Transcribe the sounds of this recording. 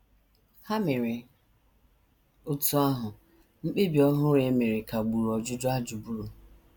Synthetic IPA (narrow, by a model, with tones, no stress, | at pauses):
ha˦mɪ˨ɾɪ˨ | ʊ˦tʊ˦a˦ɦʊ˨ | ŋ͡m̩˦k͡pe˦bi˨˦ɔ˦ɦʊ˦ɾe˨˦me˨ɾɪ˨ka˨ɡ͡bu˨ɾɔ˨d͡ʒʊ˦d͡ʒʊ˦a˦d͡ʒu˨bu˦ɾu˨